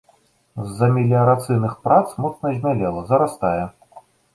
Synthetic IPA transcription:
zːɐmʲilʲiɐɾat̪sɨjnɨxpɾat̪smut̪nɐzʲmʲalʲɛlˠɐzɐɾast̪ajɛ

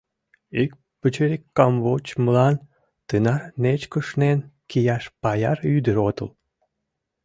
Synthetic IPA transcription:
ik̚ | pət͡ɕeɾʲikːɑmβot͡ɕməlɑn | t̪ɨnɑrnet͡ɕkəʃnenkijɑʃpɑjɑryd̪əɾot̪ə̰l

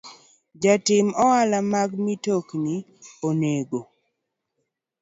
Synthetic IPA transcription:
d͡ʒatɪmɔalamaɡmitokni | oneɡo

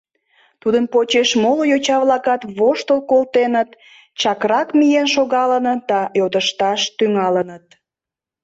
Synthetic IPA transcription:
t̪ud̪ənpot͡ɕeʃmolojot͡ɕɑβlɑkɑt̪βoʃt̪əlkolt̪enət̪ | t͡ɕɑkɾɑkmijenʃoɣɑlənət̪̚d̪ɑjot̪əʃt̪ɑʃt̪yŋɑlənət̪̚

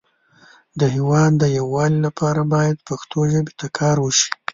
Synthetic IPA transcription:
d̪əɦewɑd̪ːəjawːɑlilapʰɑɾabɑjad̪paxt̪ʰoʒəbet̪akʰɑɾwəʃi̥

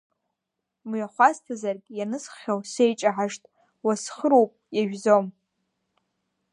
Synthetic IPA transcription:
mɥaχʷastʰazarkʲʼjanɨsχʲawse̞jt͡ʃʼaħaʂtʼ | wasχəɾowpʼjaʒᶣzom

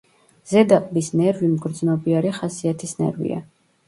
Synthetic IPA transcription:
z̥ɛd̪aqʼbisnɛɾvimɡɾd̪znɔbiaɾiχasiat̪ʰisnɛ̰ɾvḭa̰

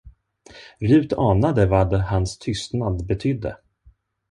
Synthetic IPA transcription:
ɾʉ̟ːt̪ʰɑːnad̪əvad̪ɛhanst̪ʰʏst̪nad̪bɛt̪ʰʏd̪ːə̰

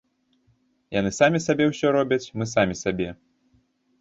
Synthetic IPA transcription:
janɨsamʲisabʲɛwsʲɔɾɔbʲɐt͡sʲmɨsamʲisabʲɛ

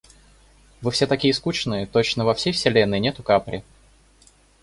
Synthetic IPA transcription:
vɨfsʲet̪ɐkʲijəskut͡ɕnɨjət̪o̞t͡ɕnəvɐfsʲejfsʲɪlʲenːɨjnʲet̪ʊkapɾʲɪ̰

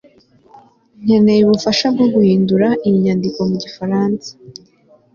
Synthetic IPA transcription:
ɲ̥anejiβufaʃab̚ɡoɡuhiːnduɾaʔimiɲandiko̞muɟifaɾaːnsḁ

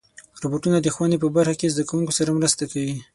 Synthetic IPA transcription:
ɾoboʈunad̪əxwanepəbaɾxakezd̪akawuŋkosaɾamɾəst̪akawi

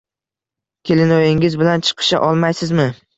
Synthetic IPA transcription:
kʲʰelɪnojɪŋɪzbɪlant͡ʃʰɨ̥qʰɨ̥ʃa̰ʔɒlˠmajsɪzmɪ

